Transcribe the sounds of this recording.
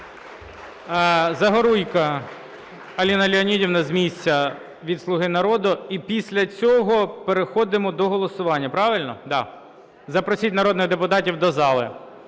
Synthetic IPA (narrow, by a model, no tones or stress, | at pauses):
zɐɦɔɾujkɐ | ɐlʲinɐlʲiɔnʲidʲiwnɐzʲmʲisʲt͡sʲːɐ | ʋʲid̪slˠʊɦɪnɐɾɔd̪ʊipʲisʲlʲɐt͡sʲɔɦɔpeɾexɔd̪ɪmɔd̪ɔɦɔlˠɔsʊʋɑnʲːɐpɾɑʋɪlʲnɔd̪ɑ | zɐpɾɔsʲit̚ʲnɐɾɔd̪nɪɣd̪epʊt̪ɑtʲiwd̪ɔzɑlˠɪ̰